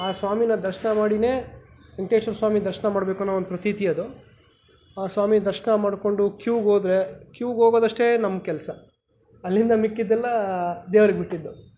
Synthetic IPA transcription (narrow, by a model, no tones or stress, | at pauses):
aːsʋaːminɐd̪ɐɾʃɐnɐmaːɽine̞ː | eɳʈeːt͡ʃɐɾsʋaːmid̪ɐɾʃɐnɐmaːɽbeːkunːʋond̪upɾɐt̪it̪iɐd̪u | aːsʋaːmid̪ɐɾʃɐnɐmaːɖko̞ɳɖukjuːɡɦoːd̪ɾe̞kjuːɡɦoːɡoːd̪ɐʂʈe̞nɐmkɛlsɐ | ɐlːind̪ɐmikːid̪ːɛlːɐd̪eːʋɐɾiɡbiʈːid̪ːu